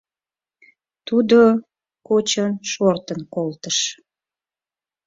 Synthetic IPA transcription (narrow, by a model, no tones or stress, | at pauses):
t̪ud̪o | kot͡ɕənʃort̪ənkolt̪əʃ